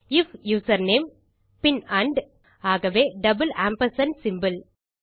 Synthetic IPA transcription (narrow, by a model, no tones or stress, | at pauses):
ɪfjuːsɐɾneːm | pɪnɐɳɖ | aːɣɐʋeːɖɐbɨlaːmpɐɾsɐnsɪmbɨl